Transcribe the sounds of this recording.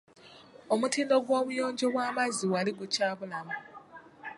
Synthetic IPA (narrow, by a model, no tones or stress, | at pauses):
omutiːndoɡwoːβujoːɲd͡ʒoβwaːmaziwaliɡut͡ʃaːβulama